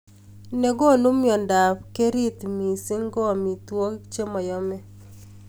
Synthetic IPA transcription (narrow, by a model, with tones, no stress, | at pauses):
ne˨ɡo˦˨nu˦mjɔ˨nda˨pke˦ɾi˦t̪mi˨sɪ˦ŋɡɔ˦˨mi˨t̪wo˦kt͡ʃe˦mɔ˨jɔ˦mɛ˦